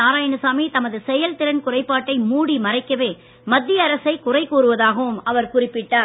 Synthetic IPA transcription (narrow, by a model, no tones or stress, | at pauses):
aːɾaːjɐnɯsaːmit̪ɐmɐðɯsɛjɐlt̪ɪɾɐnkʊrɐɪpːaːʈːɐɪmuːɽimɐrɐɪkːɐʋeː | mɐd̪ːɪjɐːɾɐsɐɪkʊrɐɪkoːɾɯʋɐðaːɣɐʋɯmɐʋɐɾkʊrɪpːɪʈːaː